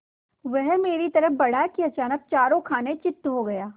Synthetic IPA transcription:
ʋɛɦmeːɾit̪ɐɾəɦbɐɽ̤akiɐt͡ʃaːnək̚t͡ʃaːɾõkʰaːnet͡ʃɪt̪ːɦoɡɐjaː

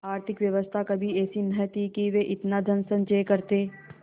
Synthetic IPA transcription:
aːɾt̪ʰɪkʋjɐʋəst̪ʰakɐbʱiɛːsinɐt̪ikiʋeʔɪt̪nad̪ʱɐnsənt͡ʃəjkɐɾt̪eː

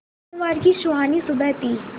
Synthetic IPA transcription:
ʋaːɾɡiːʃʊaːnisʊbɛɦt̪iː

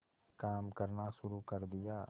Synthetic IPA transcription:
kaːmkɐɾnaʃʊɾukɐɾd̪ɪjaː

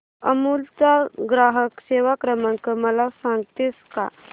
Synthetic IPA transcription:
əmult͡saɡɾaɦəkseʋakɾəməŋkəməlasãŋɡt̪eska̰

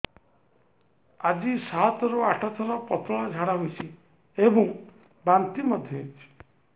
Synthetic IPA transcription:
ad͡ʒisat̪ɔɾuaʈʰɔt̪ʰɔɾɔpɔt̪ʰɔɭad͡ʒʱaɽaɦojt͡ʃʰi | ebɔŋ | bant̪imɔd̪ʱjɔt͡ʃʰi̥

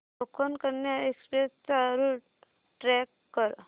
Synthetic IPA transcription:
okʰonkəɾnjaekspɾest͡saɾuʈ | ʈɾɛkːəɾ

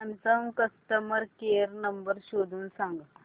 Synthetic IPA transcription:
ɐnsɐmkɐst̪əmɐɾkeːɾnɐmbəɾɕoːd̪ʱunsãːŋɡ

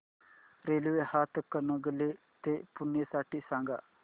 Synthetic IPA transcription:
ɾeːluehaːt̪ʰkənoɡəlːeː | t̪eːpʊnːesaːʈːisãːŋɡa̰ː

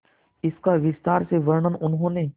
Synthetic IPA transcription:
ɪskaʋɪst̪aːɾseʋəɾɳənʊnɦõːne

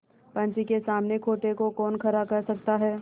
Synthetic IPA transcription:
pɐ̃ɲt͡ʃikesaːmnekʰoːʈekokɔːnkʰɐɾakɐɾsɐk̚t̪aɦɛː

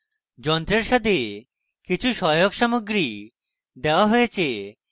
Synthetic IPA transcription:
d͡ʑɔnt̪ɾeɾʃat̪ʰe | kit͡ɕʰuʃɔjoɡʃamoɡɾi | d̪eoaɦojet͡ɕʰe

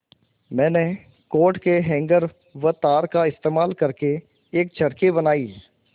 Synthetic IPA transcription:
mɛ̃ːne | koːʈkeɦɛ̃ːŋɡəɾ | ʋət̪aːɾkaɪst̪eːmaːlkɐɾke | eːk̚t͡ʃʰɐɽkebənaːiː

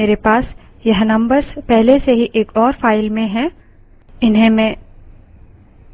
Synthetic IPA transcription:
eːɾepaːs | jɐɦnɐ̃mbəɾspɛɦleseɦiʔeːkɔːɾfʰaːɪlmẽɦɛ̃ | ɪnɦẽmẽː

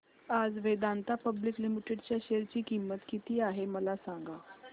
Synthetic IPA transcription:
ad͡zʋed̪ant̪apəbliklimiʈeɖt͡ɕjaɕeɾt͡ɕiːkimːət̪kit̪iːaɦeməlasãŋɡa

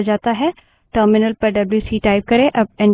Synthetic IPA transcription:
d͡ʒaːt̪aɦɛ | ʈəːɾmɪnəlpɐɾɖɐbljusiːʈaːɪp̚kɐɾẽʔɐb̚ɛ̃n

